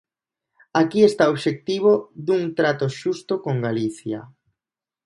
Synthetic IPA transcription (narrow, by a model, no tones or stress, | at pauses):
akiest̪aoβʃek̚t̪iβ̞oðuŋt̪ɾat̪oʃust̪okoŋɡaliθja̰